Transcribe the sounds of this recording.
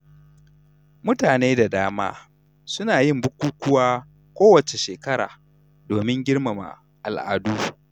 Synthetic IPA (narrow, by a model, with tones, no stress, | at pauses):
mʊ˦taː˨neː˦da˨daː˦ma̰ː˦ | sʊ˦naː˨jɪ˦mbʊ˦kʷuː˦kʷʊ˦waː˦ | kʷoː˦wɐ˨t͡ʃe˨ʃeː˨kɐ˦ɾa̰ː˨ | doː˨mɪ˦ŋɡʲɪ˦ɽma˨ma̰˨ | ʔa˨lʔa̰ː˨duː˦